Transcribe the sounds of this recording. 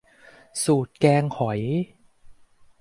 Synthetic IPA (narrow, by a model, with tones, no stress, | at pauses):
suː˨˩t̪̚kɛː˧ŋkʰɔ˩˦j